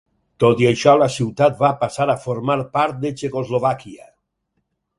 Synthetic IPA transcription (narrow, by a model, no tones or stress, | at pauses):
t̪ot̪jaʃɔlasiwt̪at̪̚βapasaɾafoɾmaɾpaɾt̪̚d̪et͡ʃekozloβ̞akia